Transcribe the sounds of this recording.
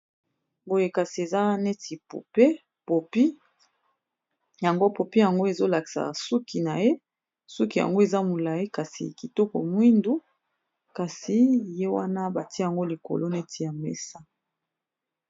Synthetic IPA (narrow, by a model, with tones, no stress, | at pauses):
bo˨je˨ka˨si˨e˨za˦nɛ˦ti˨pṵ˨pe˦ | po˨pi˦ | ja˨ŋɡo˦po˨pi˦ja˨ŋɡo˦e˨zo˦la˨ki̥˨sa̰˨su˦ki˨na˨je˦ | sɔ˦ki˨ja̰˨ŋɡo˦e˨za˦mu˨la˨i˦ka˨sḭ˨ki˨tɔ˦kɔ̰˨mwi˦ndu˦ | ka˨si˨je˦wa˦na˦ba˨ti˦a˨ŋɡo˦li˨ko̰˨lo˦nɛ˦tʰi˨ja˨mɛ̰˦sa˦